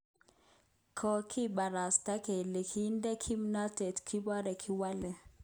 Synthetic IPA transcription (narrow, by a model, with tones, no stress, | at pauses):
kʰɔ˦˨kʰi˦ɓa˨ɾa˨sta˦kɛ˨lɛ˨kʰi˦ndɛ˦kʰi˦mi˦na˦tɛ˨tkʰi˦ɓa˦ɾɛ˨kʰi˦wa˦lɛ˨